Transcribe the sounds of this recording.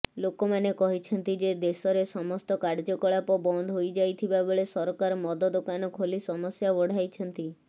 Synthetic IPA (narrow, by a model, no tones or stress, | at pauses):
lokomanekɔɦit͡ʃʰɔnt̪id͡ʒed̪esɔɾesɔmɔst̪ɔkaɾd͡ʒɔkɔɭapɔbɔnd̪ʱɦojd͡ʒajt̪ʰibaboɭesɔɾɔkaɾmɔd̪ɔd̪okanɔkʰolisɔmɔsjabɔɽ̤ajt͡ʃʰɔnt̪i